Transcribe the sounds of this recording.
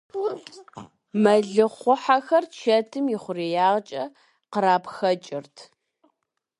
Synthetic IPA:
mɐɮɨχʷʊħaxɐrt͡ʃʰɐtʰɨmjiχʷʊriːjaːʁt͡ʃʼɐ | qəɾaːpxɐt͡ʃʼɪrtʰ

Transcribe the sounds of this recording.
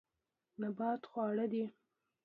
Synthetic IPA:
nabɑt̪xwɑɽəd̪i

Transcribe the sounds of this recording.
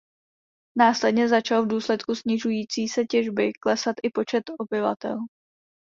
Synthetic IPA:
naːslɛdɲɛzat͡ʃalvduːslɛt̪kusɲɪʒujiːt͡siːsɛcɛʒbɪklɛsat̪ʔɪpo̞t͡ʃɛt̪o̞bɪva̰t̪ɛ̰l

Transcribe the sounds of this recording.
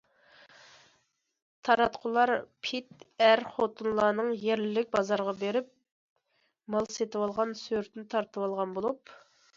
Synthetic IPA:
t̪ʰɑɾɑt̪qʰʊlˠɑɾpʰit̪æɾχot̪ʰunlˠɑːnɨŋjeɾlɪlɪk̚ʲbɑzɑɾʁɑbeɾɪp̚ | mɑlˠset̪ɨwɑlˠʁɑnsøɾt̪nɪt̪ʰɑɾt̪əwɑlˠʁɑnbolˠup

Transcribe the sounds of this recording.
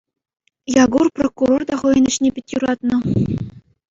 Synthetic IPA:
jɑɡurprokːuɾord̪ɑχɤ̆jɤ̆nʲɘ̆ɕnʲepʲitʲjuɾɑt̪nɤ̆

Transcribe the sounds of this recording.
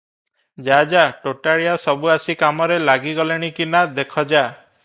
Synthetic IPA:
d͡ʒad͡ʒaʈoʈaɭijasɔbuasikamɔɾelaɡiɡɔleɽ̃ikinad̪ekʰɔd͡ʒa

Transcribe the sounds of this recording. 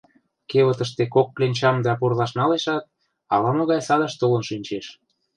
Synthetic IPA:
keβət̪əʃt̪ekok̚ːlenʲt͡ɕɑmd̪ɑpurlɑʃnɑleʃɑt̪̚ | ɑlɑmoɣɑjsɑd̪ɑʃt̪olə̆nʃynʲt͡ɕeʃ

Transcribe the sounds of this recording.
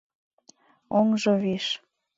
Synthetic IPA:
oŋʒoβiʃ

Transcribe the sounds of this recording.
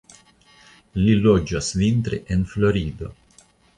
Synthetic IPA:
lilɔd͡ʒasvint̪ɾḛʔɛnfloɾiːd̪o

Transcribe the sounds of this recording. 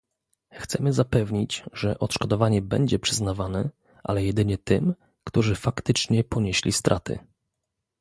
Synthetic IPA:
xt̪sɛmɘzapɛvɲid͡ʑʐɛʔɔt̪ʂkɔd̪ɔvaɲɛbɛɲd͡ʑɛpʂɘznavanɛ | ʔa̰lɛjɛd̪ɘɲɛt̪ɘ̰m | kt̪uʐɘfakt̪ɘt͡ʂɲɛpɔɲeɕlʲḭst̪ɾʔat̪ɘ̰

